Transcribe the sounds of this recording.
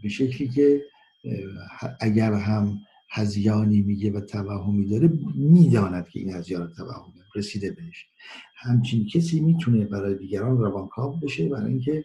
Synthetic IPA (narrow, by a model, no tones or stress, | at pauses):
beʃekʰliːcʲʰe | hʔæɟæɾɦæm | hæzjɒːniːmiːɡevæt̪ʰævæhɦomiːd̪ɒːɾemiːd̪ɒːnæd̪̥cʰeḭːnhæzjɒːɾɔt̪ʰːævæ̰hːomeɾesiːd̪ebeeʃ | hæmt͡ʃʰincʰesiːmiːt̪ʰune̞bæɾɒːjed̪iːɡæɾɒːnɾævɒːnkʰɒːbbeʃebæɾ̰ːinkʲʰe̞